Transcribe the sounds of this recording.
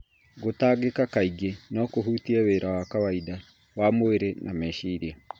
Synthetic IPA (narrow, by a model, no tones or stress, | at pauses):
ɡotaːɡekakaiɡenɔkoɦuːtiɛweɾawakawaida | wamoeɾenʔamɛʃiːɾia